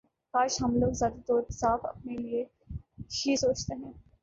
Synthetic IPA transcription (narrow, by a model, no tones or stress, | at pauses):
kaːʃɦɐmloːɡzjaːd̪ad̪ɔːɾsaːfɐ̰p̚nelie | ʃisoːt͡ʃt̪eɦɛ̃ː